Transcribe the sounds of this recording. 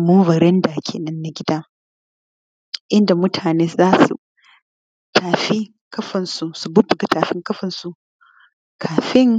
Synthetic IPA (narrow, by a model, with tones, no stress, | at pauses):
moː˦vɐ˨ɾɛ˦ndaː˨kʲʰḛː˨nɐ˦nːa˦ɡʲɪ˦daː˦ | ʔɪ˦nda˨mʊ˦tʰaː˨neː˦zaː˦sṵ˨ | taː˨ɸi˦ | kɐ˦ɸɐ˨nsu˨su˨bʊ˦bʊ˨ɡɐ˨taː˨ɸɪ˦ŋkɐ˦ɸɐ˨nsu˨ʔ | kʰaː˨ɸɪ˦ŋ